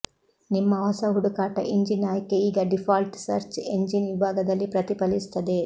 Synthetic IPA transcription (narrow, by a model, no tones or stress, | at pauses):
nimːɐɦɔsɐɦuɽukaːʈɐ̰ʔiɲd͡ʒinːaːjɐkːeiːɡɐɖifʰaːlʈsɐ̰ɾt͡ʃeɲd͡ʒinʋibʱaːɡɐd̪ɐlːipɾɐt̪ipɐlist̪ɐd̪e̞